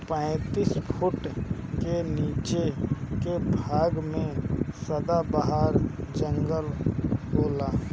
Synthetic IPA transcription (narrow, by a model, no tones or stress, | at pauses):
pə̃ːt̪iːspʰʊʈkeniːt͡ʃekebʱaːɡmẽsəd̪abaɦaːɾd͡ʒə̃ŋɡəlboːlaː